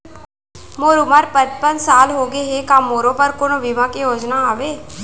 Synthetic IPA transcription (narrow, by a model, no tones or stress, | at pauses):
moːɾuməɾpət̪pənsaːlɦoːɡeɦekãːmoːɾõpəɾkonõʋɪʋãkijoːd͡ʒnaaːʋeː